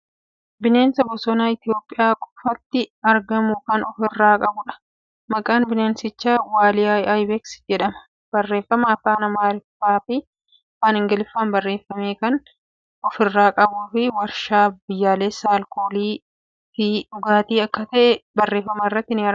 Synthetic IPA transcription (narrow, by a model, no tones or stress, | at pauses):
bɪne̞ːnsɐbɔsɔnaːɪt̪ɪjo̞ːpʼːɪjaːkʼʊ̥fɐt̪ːɪɐɾɡɐmʊkɐnɔfɪrːaːkʼɐbʊᶑɐ̥ | mɐkʼaːnbɪne̞ːnsɪt͡ʃːaːwaːlɪajɐjbɛksd͡ʒɛᶑɐmɐ̥ | b̥ɐrːe̞ːfɐmɐːfaːnɐmaːlɪfaːfɪ | faːnɪŋɡɐlɪfːaːnbɐrːe̞ːfːɐmeːkɐn | ɔfɪrːaːkʼɐbuːfɪwɐɾʃaːbɪjːaːleːsaːlkʰoːliː | fɪᶑʊɡaːt̪iːɐkːɐt̪ɐʔɛbɐrːe̞ːfːɐmɐrːɐt̪ːɪnɪɐɾ